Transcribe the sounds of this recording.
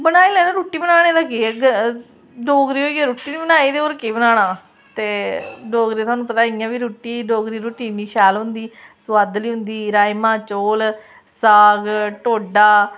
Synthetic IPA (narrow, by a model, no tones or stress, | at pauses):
bənaːiːlɛːnãːɾuːʈːiːbənaːñeːd̪aːkiɡ | ɖoːɡɾiːɦoːiaːɾuːʈiːniːbənaːiːd̪eːoːɾkeːbənaːnaː | t̪eːɖoːɡɾit̪ʰaːnũːpət̪aːiːãːbiɾuːʈːiːɖoːɡɾiːɾuːʈːiːniːʃɛːlɦʊ̃nd̪iːsʊʋaːd̪liːɦʊnd̪iːɾaːimãːt͡ʃoːl | saːɡʈoːɖaː